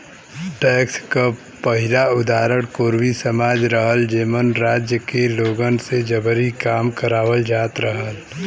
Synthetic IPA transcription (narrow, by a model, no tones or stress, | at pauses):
ʈɛːkska | pəɦɪlaʊd̪aːɾəɽ̃koːɾwisəmaːd͡ʒɾəɦəld͡ʒeːmənɾaːd͡ʒjəkeloːɡənsed͡ʒəbəɾikaːmkəɾaːʋəld͡ʒaːt̪ɾəɦəl